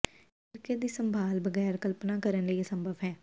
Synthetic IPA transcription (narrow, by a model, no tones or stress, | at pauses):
ɪɾkeːd̪iːsəmbʱaːlbəɡɛːɾkəlpnaːkəɾənləiesə̃mbʱəʋɦɛː